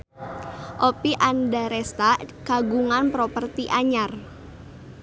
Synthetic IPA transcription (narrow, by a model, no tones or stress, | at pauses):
ʔopiʔandaɾɛst̪akaɡuŋanpɾopərt̪iʔaɲar